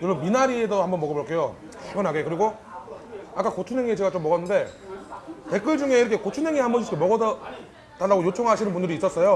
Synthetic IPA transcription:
joɭʌminaɾiedohambʌnmʌɡʌboɭk͈e̞jo̰ | ɕʰiɡʌnɦaɡekɯɾiɡo | ak͈akot͡ɕʰunɦe̞ŋit͡ɕe̞ɡat͡ɕomːʌɣʌnːɯnde̞ | pe̞k͈ɯɭd͡ʑuŋe̞iɾʌkʰekot͡ɕʰunɦe̞ŋihambʌnʰɕʰisʰkʰemʌɡʌd | d̥aɭːaɡojot͡ɕʰoŋɦaɕʰinɯnmpundɯɾiːs͈ʌs͈ʌjo

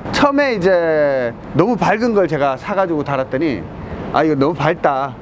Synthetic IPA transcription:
t͡ɕʰʌme̞id͡ʑe | nʌmupaɭɡɯnɡʌɭt͡ɕe̞ɡasʰaɡad͡ʑiɡotaɾat̚t͈ʌɲḭ | a̰iɡʌnʌmupaɭt̚t͈a

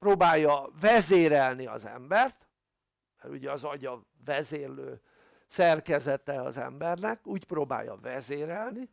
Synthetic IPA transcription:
proːbaːjːɒvɛzeːɾɛlniɒ̰zɛ̰mbɛrt̪ | mɛɾṵɟɛɒzɒɟɒ | vɛzeːrløː | sɛrkɛzɛt̪ɛɒ̰zɛ̰mbɛrnɛkuːcproːba̰ːjːɒ̰vɛzeːɾɛlni

